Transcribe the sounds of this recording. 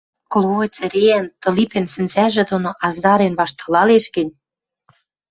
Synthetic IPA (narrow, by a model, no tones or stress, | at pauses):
klˠoet͡sɘ̆ɾeænt̪ɤ̆lipĕnsɘ̆nzæʒĕd̪onoʔɑzd̪ɑɾenβɑʃt̪ɑlɑleʃɡə̆nʲ